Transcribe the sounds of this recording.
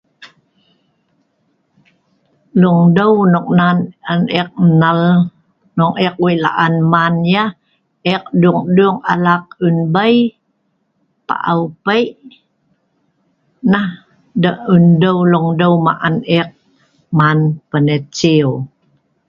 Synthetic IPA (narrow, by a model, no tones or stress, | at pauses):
luŋdəwnuk̚nananɛq̚nəl | nuŋɛk̚wila̰ʔanmanja | ʔɛq̚duŋduŋa̰laq̚unbəj | pa̰ʔawpəjʔ | nah | dəundəwluŋdəma̰ʔanɛq̚ | manpənət͡ʃiw